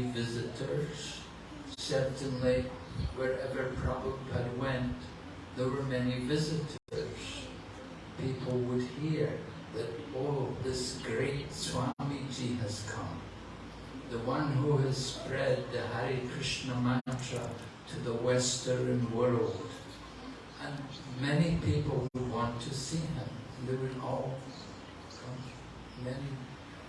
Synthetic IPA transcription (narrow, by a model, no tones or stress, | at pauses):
vɪzɨɾə˞z̥ | sɛ˞tʰɨ̃nli | wə˞ɛvə˞pʰɹ̥ɑbəpʰɨd̚wɛ̃nt | ðə˞wə˞mɛnivɪzɨɾʰə˞z̥ | pʰipʰl̩ˠwəd̚hiɹ | ðɨɾɔlˠvðɪsɡ̥ɹeɪtswɑmid͡ʒiɨz̥kʰʌ̰̃m | ðəwʌ̃nɦuɨz̥spɹɛd̪̚ðɨhaɹikʰɹ̥ɪʃnəmæ̃tʰɹ̥ə | ɾʰɨðəwɛstə˞ɨ̃nwɜ˞lˠd̥ | ɨ̃n | mɛnipʰipl̩ˠwəd̚wɑ̃ntʰɨsiɪ̃m | lɨwɨ̃nɔlˠ | kʰʌ̃m | mɛni